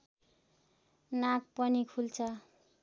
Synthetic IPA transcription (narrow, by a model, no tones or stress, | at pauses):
nak̚pʌnikʰult͡sʰʌ